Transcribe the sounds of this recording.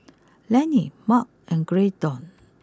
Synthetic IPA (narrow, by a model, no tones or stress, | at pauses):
lɛ̃nimak̚ɛ̃nɡɹedɔ̃n